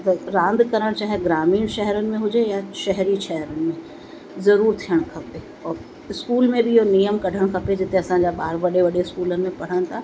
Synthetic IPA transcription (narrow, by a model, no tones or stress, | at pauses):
t̪ɐɾãːnd̪kɐɾəɽ̃t͡ɕaːɦɪɡɾaːmiːnʃɛɦɛɾənɪ̆mẽɦʊd͡ʑejaʃɛɦɾiʃɛɦɾənɪ̆mẽ | zɐɾuːɾt̪ʰijəɽ̃kʰɐpe | ɔːɾ | ɪskuːlmẽbɪɪɦonijəmkɐɖʱəɽ̃kʰɐped͡ʑɪt̪eɐsãɲd͡ʑaɓaːɾʋɐɗeʋɐɗeɪskuːlənɪmẽpɐɽ̤əɽ̃ɪ̆t̪ʰaː